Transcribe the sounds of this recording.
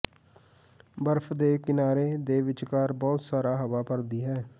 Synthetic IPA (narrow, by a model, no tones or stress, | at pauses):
bəɾfʰd̪eːkɪnaːɾeːd̪eːʋɪt͡ʃkaːɾbɔːt̪saːɾaːɦəʋaːpəɾd̪iːɦɛː